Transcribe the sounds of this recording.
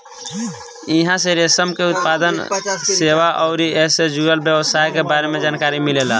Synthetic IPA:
iɦãseɾesəmkeut̪̚pad̪ənseʋaʔɔʊɾieɦsed͡ʒuɡəlbjəʋəsaɦkebaɾemed͡ʒaːnkaɾimilela̰

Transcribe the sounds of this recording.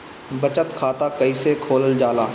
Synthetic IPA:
bɐt͡ʃət̪kʰaːt̪akɐisekʰoːləld͡ʒaːlaː

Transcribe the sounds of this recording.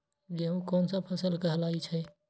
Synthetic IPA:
d͡ʒeɦũkɔːnsə̃pʰəsəlkəɦəlait͡ʃʰɛ

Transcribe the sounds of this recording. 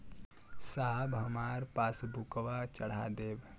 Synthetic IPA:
saːbɐmaːɾpaːsbʱukʋat͡ʃəɽ̤a̰d̪eːb

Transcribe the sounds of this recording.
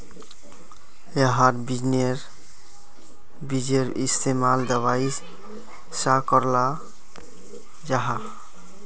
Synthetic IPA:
eɦaɾbid͡ʒneɾ | bid͡ʒeɾist̪ʰemald̪ɛwaj | sakɔɾla | d͡ʒaɦa

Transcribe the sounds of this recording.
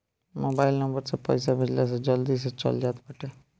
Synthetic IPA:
moːbaːɪlnəmbəɾsepə̰ɪsabɪd͡ʒlas̬ed͡ʒəld̪is̬et͡ʃə̰ld͡ʒaːt̪bəʈʰe

